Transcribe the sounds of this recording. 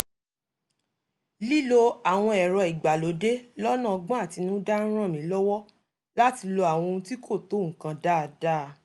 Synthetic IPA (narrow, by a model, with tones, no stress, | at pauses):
li˦lo˧a˨w̃ɔ̃˧ɛ˨ɾɔ˧i˨ɡ͡ba˨lo˨˦de˦lɔ˦nã˦˨ɔ˧ɡ͡bã˦a˦˨ti˨˧nũ˦da˦n̩˦ɾ̃ã˦˨mĩ˨˦lɔ˦wɔ˦ | la˦ti˧lo˧a˨w̃ɔ̃˧ũ˧˦ti˦kʰo˦˨to˨˦ŋ̩̃˨kã˧da˦˨da˦˨